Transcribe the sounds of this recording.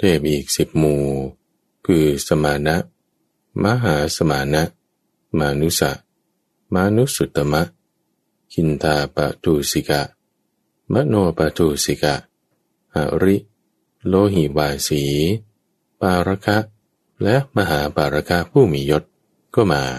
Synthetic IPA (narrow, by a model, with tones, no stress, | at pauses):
t̪eː˨˩p̚ʔiː˨˩k̚si˨˩p̚muː˧˩ | kʰɯː˧sa˧maː˧˦na˦˥ʔ | ma˦˥ɦaː˩˦sa˧maː˨˦na˦˥ʔ | maː˧nu˦˥sa̰˧˩ʔ | ma˧nu˦˥ʔsu˨˩t̪ːa˧ma˦˥ʔ | kʰi˧nt̪ʰaː˧pa̰˧t̪ʰuː˧si˧˦ka˧˩ʔ | ma˦˥ʔnoː˧ɐpa˧t̪ʰuː˧si˧ka˧˩ʔ | ha̰˨˩ʔɾi˦˥ʔ | loː˧ɦi˨˩waː˧siː˩˦ | paː˧ɾa˧˥kʰa˦˥ʔ | lɛ˦˥ʔma˧ɦaː˩˦paː˨˧ɾa˧˥kʰa˦˥ʔpʰuː˥˩miː˨˦jo˦˥t̪̚ | kɔː˥˩maː˧